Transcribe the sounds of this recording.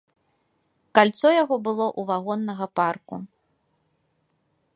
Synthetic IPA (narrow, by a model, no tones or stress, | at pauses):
kalʲt̪sɔjaɣɔbɨlˠɔʔuvaɣɔnːɐɣɐparku